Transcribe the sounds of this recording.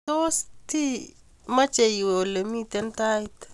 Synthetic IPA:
tost̪ʰi˦ | ma˦t͡ʃe˨iweo˨le˨mi˦t̪ent̪ajt̪

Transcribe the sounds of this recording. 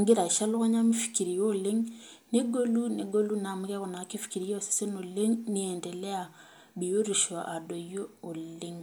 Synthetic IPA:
ŋɡe˦ɾa˨i˨ʃa˦lo˦ɣɔ˦ɲa˦mi˦fi̥˨ki˨ɾi˨jo˦˨le˦ŋ | ne˦ɡo˦lu˦ne˨ɡo˦lu˦na˨mi˦ɡɛ˦ɣɔ˨na˨ke˦fi̥˨ki˨ɾi˦jse̥˦se˦no˨le˦ŋni˦ɛ˨ndɛ˨lɛ˦a˨ | bi˨jo˦ɾi˨ʃa̰˨ʔa˨dɔ˨joː˦˨le˦ŋ

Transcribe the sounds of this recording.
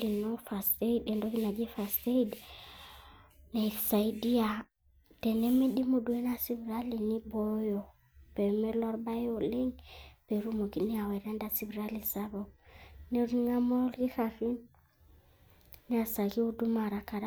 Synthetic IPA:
i˨nofa˨ste˦ide˨ndo˦ki˦na˨d͡ʒi˦fa˨ste˦id | ne˨sa˨idi˦a | te˨ne˦mi˦ɗi˦mu˨du˨we˦na˦si˦vɾali˨nibojo | pe˨mɛ˦lwa˦ɾba˦jo˨le˦ŋpe˨ɾu˦mo˨ki˨ni˦a˨wa˨ɾa˦nda˦si˨bɾa˦li˨saβone˦ɾŋa˦mo˦lki˦ɾafi˦n | ni˦a˨sa˨ɡi˦o˦du˦maɾa˨ka˨ɾa˦

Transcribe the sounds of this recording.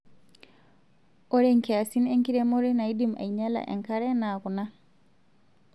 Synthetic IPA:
o˦ɾe˦ŋkea˨si˦ne˦ŋki˦ɾe˦mo˦ɾe˦na˨i˦dima̰˨iɲa˦la̰˨ʔḛ˨ŋka˦ɾɛ˦na˨ku˨na˦

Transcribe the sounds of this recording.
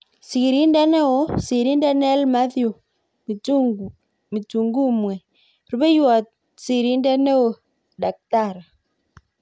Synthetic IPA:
si˨ɣi˨ɾi˦nda˦nɛ˦o˦si˨ɾi˦nda˦nɛ˦lma˦θju˨ | mi˨tu˨ŋɡu˦mwɛ˨ | ɾu˦be˦jwa˨t | si˨ɾi˦ndɛ˦nɛ˦o˨ | da˨k̚ta˦˨ɾa˨

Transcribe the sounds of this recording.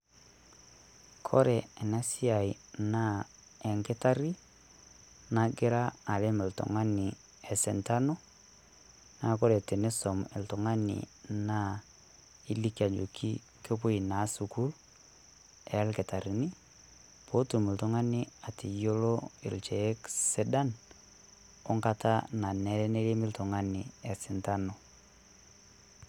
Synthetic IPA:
kʰɔ̰˦ɾɛ˨ɛ˨na˦si˦a˨i˨ | na˦ | ɛ˨ŋkɛ˦ta˦ɾi˦ | na˨ɡɪ˦ɾaː˦˨le˦mɛ˨ltɔ̰˨ŋa˦nɪ˨ | ɛ˨sɛ˨nta˦no˦ | na˨kɔ˦ɾɛ˨te˨ne˦sɔ˨mɪ̰˨ltɔ˨ŋa˦nɪ̰˨na˦ | i˦li˦ki˦a˨d͡ʒo˨kʰḭ˦ | ke˦pʊ˦i˨na˨˦su˨ku˦l | ɛ˨˦lkɛ˨ta˨ɾi˨ni˦ | po˦tu˨mɪ˨ltʊ˦ŋa˦nɪ˦a˨ti˨jo˦lo˦ɪ̰˨lt͡ʃɛ˨˦kse˦da˦n | ɔ˦ŋka˦ta̰˦na˨nɛ˨˦ɾɛ˦ne˦le˦mɪ˦ltʊ˨ŋa˦nɪ˨ɛ˨sɪ˨nta˦no˨

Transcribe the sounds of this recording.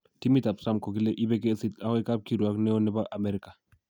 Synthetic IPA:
ti˦mi˦ta˨psa˦mko˨ki˦le˦ʔi˦be˦ke˦si˦ta˦ho˦i˦ka˦p̚ki˨ɾu˨a˦knɛ˦ɔ˦nɛ˦ba˦ʔa˨me˦ɾi˦ka˨

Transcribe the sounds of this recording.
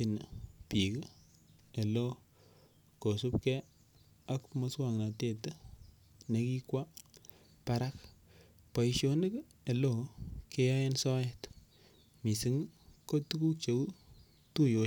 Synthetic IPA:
i˨n˨pi˨k | e˨lo˦ | ko˨su˦p̚kɛ˦ | a˦kmo˦swa˦˨ŋna˨te˦˨te˦ | ne˨ki˦kwa˦ | pa˦ɾa˦k | pa˨i˨ʃo˨ne˦k | e˨lo˦˨ke˦ja˦je˦nsɔ˦jɛ˦t | mi˨si˦ŋko˦tu˦ku˦kt͡ʃe˨wu˦ | tu˦jo˨

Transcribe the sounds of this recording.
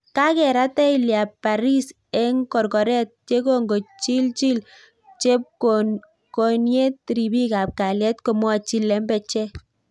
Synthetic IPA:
ka˦kɛ˨ɾa˦tɛ˦i˨lja˨pːa˨ɾi˦s | ɛ˦ŋkɔ˨rkɔ˨ɾɛ˦t̚t͡ʃe˦ko˨ŋɡo˨t͡ʃi˦lt͡ʃi˦l | t͡ʃe˦p̚o | ko˨nje˦tɾi˨bi˦ka˨p̚ka˨ljɛ˦tko˨mwɔ˦t͡ʃi˦lːɛ˦mbɛ˨˧t͡ʃɛ˦

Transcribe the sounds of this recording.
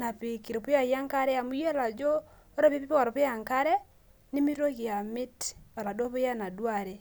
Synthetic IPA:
na˨pi˨ki˨ɾe˨pu˦ja˨ɣja˦ŋka˦ɾɛ˦a˨mu˦je˦la˨d͡ʒoː˦ | ɾe˦βi˦βi˦pwa˨ɾo˨βu˦ja˨ŋka˦ɾɛ˦ | ni˦mi˦ɾɾo˦ɣi˨a˨mi˦ta˨ɾa˨do˦βu˦ja˦na˨dwa˨ɾe˨

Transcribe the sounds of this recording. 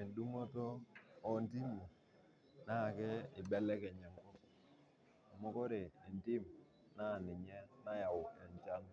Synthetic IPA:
e˨ndu˦ŋo˦tɔː˦˨nti˦mu˨ | na˦˨kɛ˦ɪ˨bɛ˦lɛ˦kɛ˨ɲa˨ŋkɔ˦ | a˨mɔ˦kɔ˦ɾe˨i˨nti˦m | na˦˨nɪ˨ɲɛ˦na˦ja˨wɛ˨ɲt͡ʃa˦ŋ

